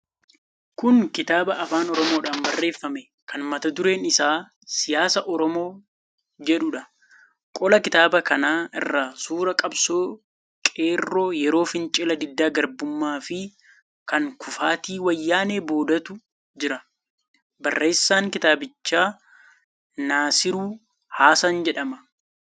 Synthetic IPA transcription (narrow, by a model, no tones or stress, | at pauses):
kʊŋkɪt̪aːbɐʔɐfaːnɔɾɔmo̞ːᶑaːnbɐrːe̞ːfːɐmɛ | kɐnmɐt̪ɐd̪ʊɾe̞ːnɪsaː | sɪjaːsɐʔɔɾɔmo̞ː | d͡ʒɛᶑʊᶑɐ | kʼɔlɐkɪt̪aːbɐkɐnaːɪ̰rːaːsuːɾɐkʼɐbsoː | kʼeːrːoːjɛɾo̞ːfɪnt͡ʃʼɪlɐd̪ɪd̪ːaːɡɐɾbʊmːaːfɪ | kɐŋkʰʊfaːt̪iːwɐjːaːneːbo̞ːd̪ɐt̪ʊ | d͡ʒɪɾɐ | bɐrːe̞ːsːaːŋkɪt̪aːbɪt͡ʃːaː | naːsɪɾuː | haːsaːnd͡ʒɛᶑɐmɐ